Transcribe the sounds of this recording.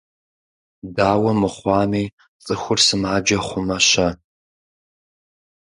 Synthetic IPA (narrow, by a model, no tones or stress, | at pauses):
daːwɐmɨχʷɑːmiː | t͡sʼɨxʷʊrsɨmaːd͡ʒɐχʷʊmɐɕɐ